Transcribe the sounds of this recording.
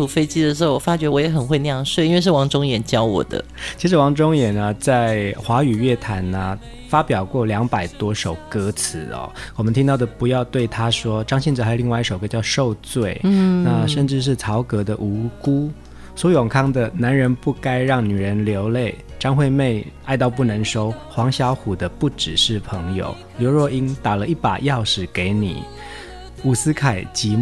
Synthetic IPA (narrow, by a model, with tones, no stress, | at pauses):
u˨˥fe˥ɪt͡ɕi˥d̪ə˨ʂɻ̩˧xo˥˩ʊwɔ˨˩fa˦˥t͡ɕɥɛ˧˥wɔ˧˥jɛ˧˥xə˨˩nxwe˥˧ɪna˥˧jɑ˥˧ŋʂwe˥˨ɪ˨i˥nwe˧ʂ̬ɻwɑ˧˥ŋʈ͡ʂʊ˥ŋjɛ˨˩˦nt͡ɕjɑ˥ʊwɔ̰˨˩d̪ə̰˦t͡ɕʰi˧˥ʂɻ̩˧˥wɑ˧˥ŋʈ͡ʂʊ˥ŋjɛ˨˩nə˦t͡sa˥˩ɪxwa˧˥y˨˩ɥɛ˥˩t̪ʰa˨˧˥nə˧ | fa˥pjɑ˨˩ʊkwɔ˥˩ljɑ˧˥ŋpa˨˩ɪt̪wɔ˥ʂo˨˩ʊkɤ˧˥t͡sʰɹ̩˧˥ɔ̰˧˩wɔ˨˩mə˦nt̪ʰi˥ŋt̪ɑ˥˩ʊd̪ə˩pu˧˥jɑ˥˧ʊt̪we˥˩ɪt̪ʰa˥ʂwɔ˥ʈ͡ʂɑ˥ŋɕɛ˥˧nʈ͡ʂ̩ɻ̩˩xa˧˥˨li˥˧ŋwa˥˧ɪi˥˩ʂo˨˩kɤ˧˥t͡ɕjɑ˥˧ʊʂo˥˧ʊt͡swe˥˩ɪna˥˨ʂə˥˧nʈ͡ʂɻ̩˥˧ʂ̬ɻ̩˥˩t͡sʰɑ˧˥ʊkɤ˧˥d̪ə˨ʔu˧˥ku˥ | swɔ˧˥jɔ˨˩ŋkʰɑ˥˩ŋd̪ə˨na˧˦˥nɻə˧˥npu˥˩ka˥ɪɻɑ˥˩ŋny˨˩ɻə˧˥nljo˧˥ʊle˥˩ɪʈ͡ʂɑ˥ŋxwe˥˧ɪme˥˩ɪa˥˧ɪt̪ɑ˥˧ʊp̬u˥˩nə˧˥ŋʂo˥ʊxwɑ˧˥ŋɕjɑ˧˥ʊxu˨˩d̪ə˦pu˥˩ʈ͡ʂɻ̩˨˩ʂɻ̩˥˩pʰɤ˧˥ŋjo̰˨˩ʊ | ljo˧˥ʊɻwɔ˥˩i˥nt̪a˨˩lə˦i˥˩pa̰˨˩jɑ˥˩ʊʂɻ̩˨˩ke˧˥ɪnḭ˨˩˦ | u˨˩sɹ̩˥kʰa˨˩ɪt͡ɕi˧˥